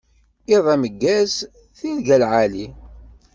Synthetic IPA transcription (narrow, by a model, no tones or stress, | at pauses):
iðˤæməɡːæz | θilɡælʕali